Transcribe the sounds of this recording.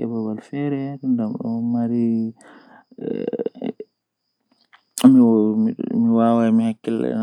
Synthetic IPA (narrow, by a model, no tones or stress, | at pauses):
ɛbabalfɛɾɛɾndamɗɔ̰maɾi | mi | miwawamihakːɛlɛ̰